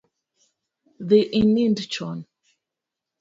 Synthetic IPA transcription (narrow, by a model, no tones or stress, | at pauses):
ðiʔĩnĩndt͡ʃɔn